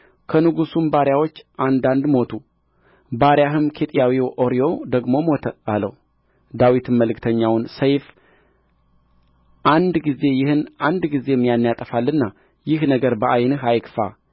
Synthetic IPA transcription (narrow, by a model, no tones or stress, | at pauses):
kʰənɨɡusumbaɾjawo̞t͡ʃːʔand̪and̪mo̞t̪ʰu | baɾjaɦɨmkʰet̪ʼijawiwʔoɾijo̞d̪əɡmo̞mo̞t̪ʰəalə̰w | d̪awit̪ʰɨmːəlɨkt̪ʰəɲːawnsəjf | ʔand̪ɡize̞jɪhɨnʔand̪ɡize̞ɛmːijanːijat̪ʼəfalːɨnːa | jɪhnəɡəɾbəʔajnɨɦajkfa̰